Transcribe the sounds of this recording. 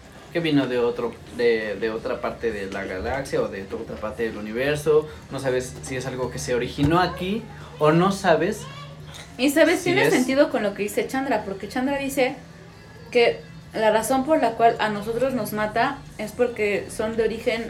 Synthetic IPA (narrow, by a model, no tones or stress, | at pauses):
ke̞βino̞ðeot̪ɾo | d̪eðeo̞t̪ɾapaɾt̪eðela̰ɣa̰laksjaoðet̪ot̪ɾapaɾt̪e̞ðeluniβ̞e̞ɾso̞ | no̞saβe̞sːie̞salɣo̞ke̞se̞oɾixino̞aki | ono̞saβe̞s | isaβest̪jenesse̞nt̪iðo̞ko̞nlo̞keðise̞t͡ʃand̪ɾapo̞ɾke̞t͡ʃand̪ɾaðise̞ | ke̞ | laraso̞mpo̞ɾlakwalʔano̞so̞t̪ɾo̞zno̞zmat̪a | e̞spo̞ɾke̞so̞nd̪eo̞ɾixe̞n